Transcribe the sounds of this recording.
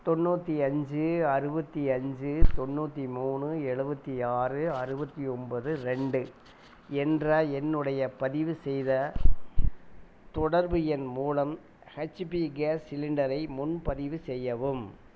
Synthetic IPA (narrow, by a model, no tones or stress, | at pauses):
t̪ɔnːuːt̪ːiɐɲd͡ʒɯɐɾɯbɐt̪ːiɐɲd͡ʒɯt̪ɔnːuːt̪ːimuːɳɯɛɻɯbɐt̪ːiaːrɯɐɾɯbɐt̪ːiɔmbɐðɯɾɛɳɖɯ | ɛndrɐɛnːɯɽɐjɐpɐðɪʋɯsɛjðɐ | t̪ɔɽɐɾbɯjɛnmuːlɐm | hɐt͡ʃːpiɡaːsɪlɪɳɖɐɾɐɪmʊnpɐðɪʋɯsɛjːɐʋɯm